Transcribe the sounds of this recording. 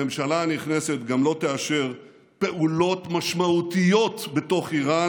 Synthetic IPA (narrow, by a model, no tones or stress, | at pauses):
emʃalaniχneset̪ɡamlo̞t̪eaʃeʁ | pe̞ʔulo̞t̪maʃmaut̪ijo̞t̪be̞to̞χiʁa